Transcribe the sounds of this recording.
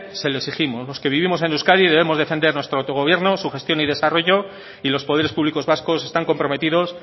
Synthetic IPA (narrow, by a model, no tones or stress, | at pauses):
se̞loeksiximozlo̞ske̞βiβimo̞senuwskaðiðe̞βe̞mo̞zðe̞fend̪e̞ɾnwest̪ɾoat̪o̞ɣo̞β̞je̞ɾno̞suxe̞st̪jo̞nið̞e̞saro̞ʝo̞ | ilo̞spoðe̞ɾespuβliko̞zβasko̞se̞st̪aŋko̞mpɾo̞me̞t̪iðo̞s